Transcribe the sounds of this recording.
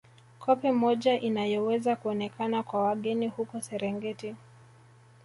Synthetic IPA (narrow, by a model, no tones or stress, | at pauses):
kʰɔpɛmɔʄaʔinajɔwɛzakuɔnɛkanakwawaɠɛnihukɔsɛɾɛŋɡɛti